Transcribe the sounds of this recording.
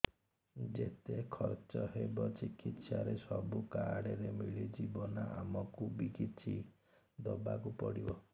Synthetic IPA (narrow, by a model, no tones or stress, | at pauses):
d͡ʒet̪ekʰɔɾt͡ʃɔɦebɔt͡ʃikit̪saɾesɔbukaɽeɾemiɭid͡ʒibɔnaʔamɔkubikit̪t͡ʃʰi | d̪ɔbakupɔɽibɔ